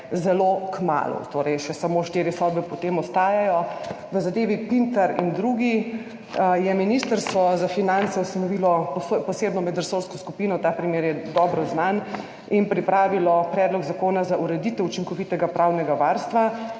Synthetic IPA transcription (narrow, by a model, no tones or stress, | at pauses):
zɛlokma̰ːlṵt̪oːɾɛjʃɛsamoʃt̪iːɾjɛsɔd̪̚bɛpɔt̪emɔst̪aːjajɔ | ʋəzad̪eːʋipint̪aɾḭnd̪ɾuɡi | jɛminist̪əɾst̪ʋɔzafinant̪sɛust̪anɔʋilɔpspɔseːbnɔmɛd̪ɾəsoɾskɔskupiːnɔt̪aːpɾimeːɾjɛd̪ɔːbɾɔznan | inpɾipɾaːʋilɔpɾɛːd̪lɔɡzakoːnazaʔuɾɛd̪it̪ɛut͡ʃiŋkɔʋit̪ɛɡapɾʔawnɛɡaʋaːɾst̪ʋa